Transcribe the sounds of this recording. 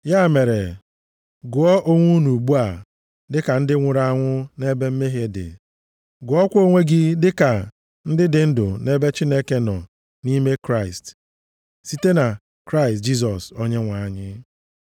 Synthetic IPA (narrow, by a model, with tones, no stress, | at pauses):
ja˦˨me˨ɾe˨ | ɡʊ˨ɔ˦ʔo˦ŋʷu˦nu˨ɡ͡bu˦a˨ | dɪ˦ka˨n̩˦dɪ˦ŋʷʊ˨ɾa˦˨a˦˨ŋʷʊ˦ne˦be˦m̩˦me˦ɦe˦dɪ̰˨ | ɡʊ˨ɔ˦kʷo˦ŋʷe˦ɡi˦dɪ˦ka˨ | n̩˦dɪ˦dɪ˨n̩˦dʊ̰˨ne˦be˦t͡ʃi˦ne˦ke˦nɔ̰˨ | ni˦me˦kɾa˦˨ɪ˨st | si˦te˦na˨ | kɾa˦ɪ˨st̚d͡ʒi˦s̬ɔ˨so˦ɲe˦ŋʷa˨a˦ɲɪ˦